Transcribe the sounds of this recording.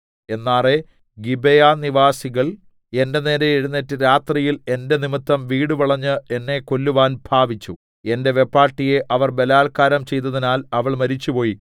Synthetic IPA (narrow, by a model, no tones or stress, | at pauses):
e̞nːaːre̞ | ɡibejaniʋaːsiɣɐɭ | e̞nde̞ne̞ːɾeiɽunːetːɨɾaːt̪rijile̞nde̞nimɨt̪ːɐmʋiːɽuʋɐɭɐɲːɨe̞nːe̞ko̞lːuʋaːnbʱaːʋit͡ɕːu | e̞nde̞ʋe̞pːaːʈːije̞ʔɐʋɐrbe̞laːlkaːɾɐmt͡ɕe̞jt̪̬ːɐðinaːlɐʋɐɭmɐɾit͡ɕːupo̞ːji